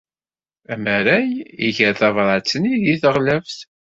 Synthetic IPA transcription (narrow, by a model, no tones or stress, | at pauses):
æməɾæjiçəɾθɑvɾˤɑt͡sːniðiθəʁlævθ